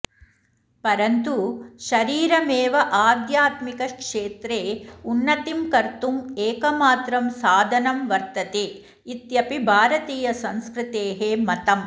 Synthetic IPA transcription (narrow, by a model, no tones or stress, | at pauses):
pɐɾɐnt̪uʃɐɾiːɾɐmeːʋɐʔaːd̪jaːt̪mikɐkʂeːt̪ɾeːunːɐt̪imkɐɾt̪umeːkɐmaːt̪ɾɐmsaːd̪ʱɐnɐmʋɐɾt̪ɐt̪eː | it̪jɐpibʱaːɾɐt̪iːjɐsɐ̃nskɾɪt̪eːɦeːmɐt̪ɐm